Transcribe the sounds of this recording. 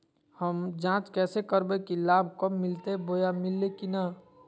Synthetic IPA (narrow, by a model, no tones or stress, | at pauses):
həmd͡ʒãːt͡ʃkɛːsekəɾbekilaːbʱkəmːɪlt̪eboːjamɪlːekinə